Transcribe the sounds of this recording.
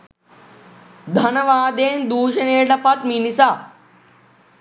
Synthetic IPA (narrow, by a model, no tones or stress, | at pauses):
d̪ʱɐnɐʋaːd̪eːnd̪uːʃɐneːɖɐpɐt̪̚minisaː